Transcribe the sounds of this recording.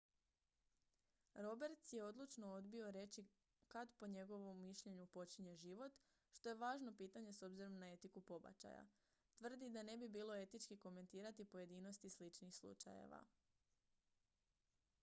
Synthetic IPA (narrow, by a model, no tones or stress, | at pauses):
ɾo̞be̞ɾt̪sje̞o̞d̪lˠut͡ʃno̞o̞d̪bio̞ɾe̞t͡ɕi | kad̪po̞ɲe̞ɡo̞ʋo̞mːiʃʎe̞ɲupo̞t͡ɕiɲe̞ʒiʋo̞t̪ | ʃt̪o̞je̞ʋaːʒno̞piːt̪aɲe̞so̞bziɾo̞mnae̞t̪ikupo̞ba̰t͡ʃa̰ja̰ | t̪ʋr̩d̪id̪ane̞bibiːlˠo̞e̞t̪it͡ʃkiko̞me̞nt̪iːɾat̪ipo̞je̞d̪iːnost̪islit͡ʃnixslˠṵt͡ʃa̰jḛʋa̰